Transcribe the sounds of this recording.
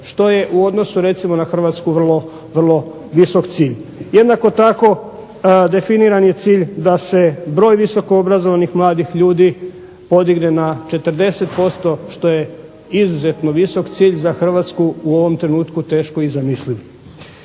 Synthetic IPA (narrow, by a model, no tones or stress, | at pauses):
ʃt̪o̞je̞ʔuo̞d̪no̞suɾe̞t̪simo̞naxr̩ʋat̪skuʋr̩lˠo̞ | ʋr̩lˠo̞ | ʋiso̞kt̪siːʎje̞d̪nako̞t̪ako̞ | d̪e̞finiɾanje̞t̪siːʎd̪ase̞bɾo̞ːjʋiso̞koobɾazoʋanixmlˠaːd̪ixʎuːd̪i | po̞d̪iɡne̞nat͡ʃe̞t̪r̩d̪e̞set̪po̞st̪o̞ʃt̪o̞je̞ | izuze̞t̪no̞ʋiso̞kt̪siːʎzaxr̩ʋat̪skuuo̞ʋo̞mt̪ɾe̞nuːt̪kut̪e̞ːʃko̞izamisliʋ